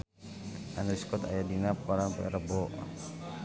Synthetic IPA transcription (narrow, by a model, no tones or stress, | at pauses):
ʔanɾiskɔt̪a̰jadinapaɾanpəɛ̰ɾəbɔ